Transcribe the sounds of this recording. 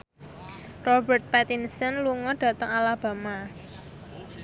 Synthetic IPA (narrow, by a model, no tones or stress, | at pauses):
rɔbɛrt̪̚pɛt̪insənluŋɔɖ̥a̤t̪ɔŋalab̥a̤ma